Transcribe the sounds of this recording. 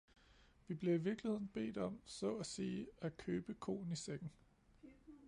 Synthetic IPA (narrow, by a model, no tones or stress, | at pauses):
ʋib̥le̝iʋiɐɡ̥lihe̝ð̰ˠn̩b̥e̝̰ːdɒ̽m̰sɒ̰æsiːækʰøːb̥əkʰo̝̰ːn̩iseɡ̥n̩